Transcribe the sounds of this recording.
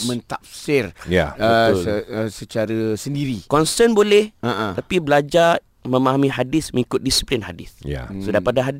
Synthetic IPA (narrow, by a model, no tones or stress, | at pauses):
mə̃nt̪ap̚sɪrja̰əələsət͡ʃaɾəsəndiɾikɔnsənbolɛhaʔãapibəlad͡ʒa | mə̃maɦamĩɦadɪsmə̃ŋikʊt̪̚disi̥plinhadɪ̰sja̰sodapadaɦad